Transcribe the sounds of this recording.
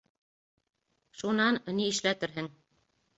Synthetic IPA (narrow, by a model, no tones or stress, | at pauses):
ʃunɑnniɘ̆ʃlæt̪ɘɾɦɘŋ